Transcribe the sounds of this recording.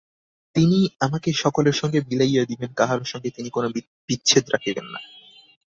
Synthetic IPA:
t̪iniamakeʃɔkoleɾʃɔŋɡebilajad̪ibenkaɦaɾoɾʃɔŋɡet̪inikono | b̥itːɕʰed̪ɾakʰibenːa̰

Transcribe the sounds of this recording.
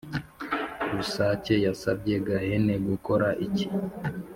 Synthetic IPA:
ɾusaːce̞jasab̚ɟe̞ɡahe̞ne̞ɡuko̞ɾaʔici

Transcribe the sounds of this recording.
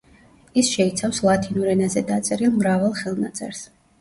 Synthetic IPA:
isʃɛit̪sʰafslˠat̪ʰinuɾɛnazɛd̪at̪sʼɛɾilˠmɾavalˠχɛlˠna̰t̪sʼɛ̰ɾs

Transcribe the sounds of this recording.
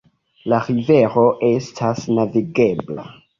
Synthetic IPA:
laɾive̞ɾo̞ʔe̞stʰasnaviɡe̞bla̰

